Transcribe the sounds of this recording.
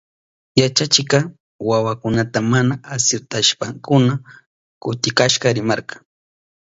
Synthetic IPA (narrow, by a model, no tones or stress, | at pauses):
jat͡ʃat͡ʃɪkɑ | wawakʊnat̪amanaːsʊt̪aʃpaŋkʊna | kʊt̪ɪkaʃɢɑɾɪmɑɾɢɑŋ